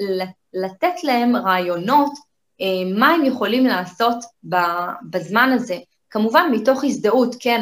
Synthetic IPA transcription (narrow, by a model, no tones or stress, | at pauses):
latetlae̞mʁaːjo̞no̞t | emaemjeχo̞limlaːso̞tbabazmanaze̞ | kamuvanmito̞χisdautken